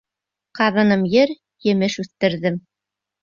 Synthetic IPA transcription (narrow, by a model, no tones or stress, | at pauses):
qɑðɤ̆nɤmjɘɾ | jɘ̆mɘʃʉθt̪ɘ̆ɾðɘm